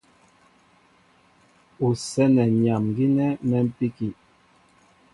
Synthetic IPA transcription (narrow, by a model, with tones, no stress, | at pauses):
u˨sɛ˦nɛ˨ɲa˨mɡi˦nɛ˦mɛ˦m̩˦pi˦ki˨